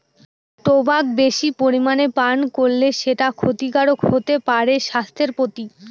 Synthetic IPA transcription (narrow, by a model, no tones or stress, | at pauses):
ʈobak̚beʃipoɾimanepankolːeʃeʈakʰot̪ikaɽokhot̪epaɾeʃast̪ʰeɾpot̪i